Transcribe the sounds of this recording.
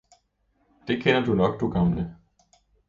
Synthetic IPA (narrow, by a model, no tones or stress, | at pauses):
d̥ekʰɛnɐduːnɔk̚d̥uːɡ̥amlə